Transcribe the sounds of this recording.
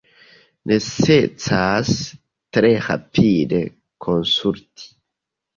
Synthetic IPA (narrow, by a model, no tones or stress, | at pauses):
nʔeset͡sas | t̪ɾera̰pid̪e | kʰonsuɾt̪ʰi̥